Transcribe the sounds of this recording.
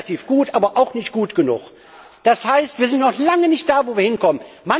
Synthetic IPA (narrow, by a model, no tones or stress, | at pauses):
atʰiːfɡ̥uːtʔaːbɐʔaʊxnɪçtɡ̥uːtɡ̥ənʊ̰χ | d̥ashaɪstv̥iːɐzɪntnɔχlaŋənɪçt̚d̥aːvoːviːɐhɪnkʰɔmənnma